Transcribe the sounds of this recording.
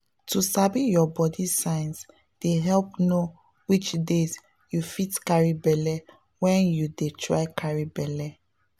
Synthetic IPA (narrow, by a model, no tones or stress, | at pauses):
tusabijɔbɔdisãɪns | d̥eɦɛlpno | wit͡ʃdez | jufitkaɹibɛlɛ | wɛ̃njudetʰɹa̰ɪkʰaɹibɛlɛ